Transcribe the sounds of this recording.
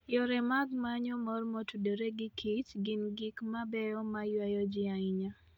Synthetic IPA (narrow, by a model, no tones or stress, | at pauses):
jɔɾɛmaɡmaɲɔmɔrmɔtudoɾeɡɪkʰit͡ʃɡɪnɡɪkmabɛɔmajwajɔd͡ʒɪaɪɲa